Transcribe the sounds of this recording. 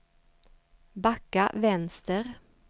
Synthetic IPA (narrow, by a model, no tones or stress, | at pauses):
bɑkaʋɛnst̪əʁ